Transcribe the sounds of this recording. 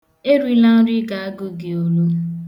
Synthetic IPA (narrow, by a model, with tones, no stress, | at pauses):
e˦ɾi˦la˦ɾɪ˦ɡa˨a˦ɡʊ˦ɡɪ˨o˨lo˦